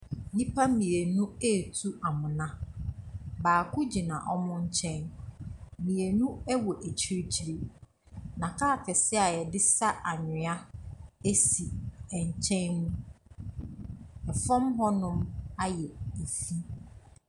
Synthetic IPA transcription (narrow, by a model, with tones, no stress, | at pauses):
nĩ˦pʰa˦mĩ˨e˨nũ˦e˦˨tʰu˦ʔa˨mʊ̃˨nã˦ | baː˨kʰʊ˦d͡ʑi˨nã̰˨ʔɔ˦mʊ̃˦ɲ̩˦t͡ɕʰɛ̃˦n | mĩ˨e˨nũ˦ɛ˦wɔ˨ʔe˨t͡ɕʰi˦ɾi˦t͡ɕʰi˨ɾi˦ | nã˨kʰaː˦˨kʰɛ˨sɪ˦a˨jɛ˨dɪ˦sa˦ʔa˨ɲɪ̃˨a˦e˦si˨ɛ˨ɲ˨t͡ɕʰɛ̃˦nːũ˦ | ɛ˨fɔ̃˦mɦɔ˦nʊ̃˦ma˦jɛ˨e˨fi˦